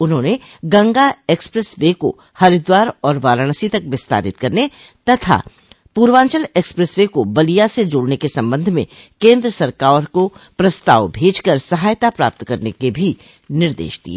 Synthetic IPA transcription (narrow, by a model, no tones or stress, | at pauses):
ʊnɦõːne | ɡɐ̃ŋɡaeːkspɾesʋeko̰ | hɐɾɪd̪waːɾɔːɾʋaːɾəɽ̃sit̪ɐkʋɪst̪a̰ːɾɪ̰t̪kɐɾne | t̪ɐt̪ʰa̰ | puːɾʋãːɲt͡ʃəleːkspɾɛsʋekobɐlijased͡ʒoːɽnekesɐ̃mbə̃nd̪ʱmḛ̃kẽːnd̪ɾəsɐɾkaːɾkopɾɐst̪a̰ːʋbʱeːd͡ʒkəɾsɐɦaːjt̪apɾa̰ːp̚t̪kɐɾnekebʱi | nɪɾd̪ḛːʃd̪ḭḛː